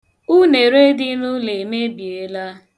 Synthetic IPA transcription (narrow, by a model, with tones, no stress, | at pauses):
u˦ne˨ɾe˦dɪ˦nʊ˦le˨me˦bje˨˦la˦